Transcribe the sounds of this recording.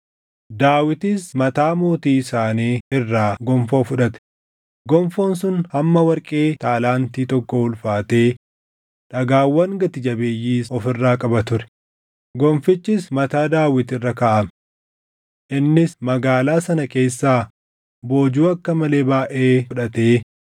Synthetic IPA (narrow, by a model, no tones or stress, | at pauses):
d̪aːwɪt̪ɪsmɐt̪aːmoːt̪iːɪsaːniːɪrːaːɡɔmfoːfʊᶑɐt̪ɛ̥ | ɡɔmfo̞ːnsʊnhɐmːɐwɐɾkʼeːt̪aːlaːnt̪iːt̪ɔkːɔhʊlfaːt̪e̞ː | ᶑɐɡaːwːɐŋɡɐt̪ɪd͡ʒɐbeːjːiːsɔfɪrːaːkʼɐbɐt̪ʊɾɛ̥ | ɡɔmfɪt͡ʃːɪsmɐt̪aːd̪aːwɪt̪ɪrːɐkaːʔɐm | ʔɪnːɪsmɐɡaːlaːsɐnɐke̞ːsːaː | bo̞ːd͡ʒuːɐkːɐmɐle̞ːbaːʔeːʊᶑɐt̪eː